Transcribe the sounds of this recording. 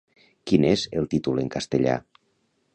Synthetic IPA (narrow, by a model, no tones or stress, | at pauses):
kinezelˠt̪it̪uleŋkast̪eʎa̰